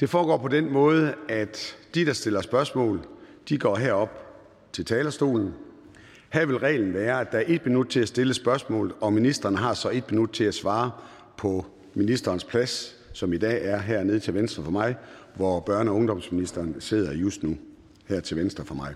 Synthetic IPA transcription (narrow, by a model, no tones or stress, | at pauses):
d̥e̝fɒːɡ̥ɒ̰ːpʰɒ̽d̥enmɔ̽ːð̞ˠəæd̥d̥id̥ɑ̈sd̥e̝lɐsb̥ɶɐsmɔ̰̽ːld̥iɡ̥ɒ̰ːɦæɐ̰ɒ̽b̥ | t͡sʰe̝lt͡sʰɛːlɐsd̥o̝̰ːln̩ | hæɐ̰ʋe̝lʁɛ̰ːln̩ʋæːɐæd̥ɑ̈æɐʔe̝d̥̚minud̥̚t͡sʰe̝læsd̥e̝ləsb̥ɶɐsmɔ̰ːlð̩ˠɒ̽minisd̥ʁɐnəɦɑ̈sɒ̽e̝d̥̚minud̥̚t͡sʰe̝æsʋɑ̈ː | pʰɒ̽ | minisd̥ɐːnspʰlæsː | ɒ̽mid̥ɛ̰ːæɐɦæɐ̰neð̞ˠt͡sʰe̝lʋensd̥ʁɐfɒ̽mɑ̈ɪ | ʋɒb̥ɶɐ̰nəɒ̽ɔ̽ŋd̥ɒ̽msminisd̥ɐːnse̝ð̞̰ˠɐjusd̥nu | hæɐ̰t͡sʰe̝lʋensd̥ʁɐfɒ̽mɑ̈ɪ